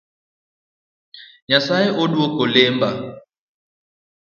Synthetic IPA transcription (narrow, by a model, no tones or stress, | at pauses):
ɲasajeʔodwokolemba